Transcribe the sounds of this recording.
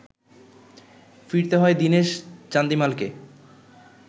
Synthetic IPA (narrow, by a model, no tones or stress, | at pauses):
fiɾt̪eɦɔed̪ineʃt͡ɕand̪imalke